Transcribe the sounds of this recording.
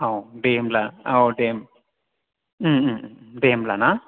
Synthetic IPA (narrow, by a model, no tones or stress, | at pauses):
awɖeːmlaawɖeːm | ɖemlana